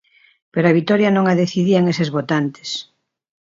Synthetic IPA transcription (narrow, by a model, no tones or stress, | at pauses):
peɾoaβ̞it̪ɔɾjɐnõŋaðeθiðiaŋesezβot̪ant̪e̥s